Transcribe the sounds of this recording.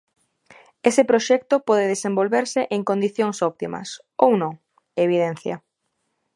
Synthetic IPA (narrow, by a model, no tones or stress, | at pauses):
esɪpɾoʃɛk̚t̪opɔðɪðesẽmbolβeɾsɪʔeŋkond̪iθjoŋsɔpt̪imɐ̰s | ownõŋ | eβ̞iðɛn̟θjɐ̰